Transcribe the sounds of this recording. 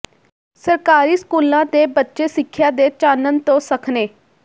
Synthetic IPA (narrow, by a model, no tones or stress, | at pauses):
səɾkaːɾiːskuːlãːt̪eːbətːʃeːsɪkʰːjaːd̪eːt͡ʃaːnənt̪õːsəkʰneː